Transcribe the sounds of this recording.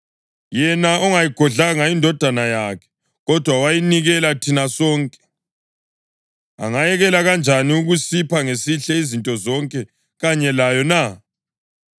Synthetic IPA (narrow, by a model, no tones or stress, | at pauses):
jɛnaɔŋajiɡ̥ʱɔɮaŋaindʱɔd̥ʱanajakʰɛ̥ | ɣɔd̥ʱwawajiniɣɛlatʰinasɔːŋkʼɛ̥ | a̰ŋajɛɣɛlaɣand͡ʒʱaniuɣusipʰaŋesiɬɛizintʼɔzɔŋkʼɛ | ɣaɲɛlajɔna